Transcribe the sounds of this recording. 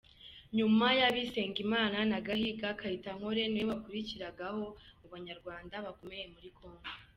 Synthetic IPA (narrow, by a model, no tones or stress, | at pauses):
ɲumajaβise̞ːŋɡimaːnanaɡahiɡakahitaŋho̞ɾe̞nweβakuɾiciɾaɡaho̞uβaɲaɾɡwaːndaβako̞me̞je̞muɾikʰo̞ːŋɡo